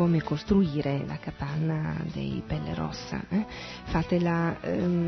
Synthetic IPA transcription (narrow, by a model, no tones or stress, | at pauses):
oːmekost̪ɾuiːɾela̰kapanːad̪ḛjpɛlːḛɾɔ̰sːa̰ɛ | fat̪ela